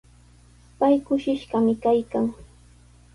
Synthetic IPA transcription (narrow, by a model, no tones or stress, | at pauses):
pajkʊʃɪʃɢɑmɪkajkaŋ